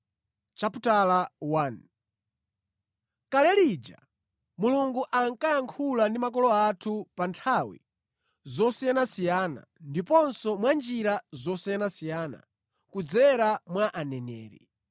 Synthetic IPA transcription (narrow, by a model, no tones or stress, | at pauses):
t͡ʃaputalawan | kalɛlid͡ʒa̰ | muluŋɡuʔaŋkajaŋkʰulandimakɔlɔatʰupantʰawḭ | zɔsijanasijaːna̰ndipɔnsɔmwand͡ʒiɾazɔsijanasijaːna̰ | kud͡zɛɾamwaʔanɛnɛːɾḭ